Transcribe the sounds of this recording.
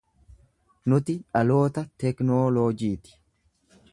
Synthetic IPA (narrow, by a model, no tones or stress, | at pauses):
nʊt̪ɪᶑɐlo̞ːt̪ɐt̪ɛknoːloːd͡ʒiːt̪ɪ̥